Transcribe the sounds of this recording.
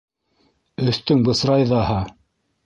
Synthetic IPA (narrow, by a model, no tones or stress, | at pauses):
ɵ̆θt̪ɵŋbɤ̆sɾɑjðɑhɑ